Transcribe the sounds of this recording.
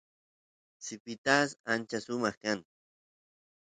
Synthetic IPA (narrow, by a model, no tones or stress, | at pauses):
sipit̪asant͡ʃasʊmɑχkaŋ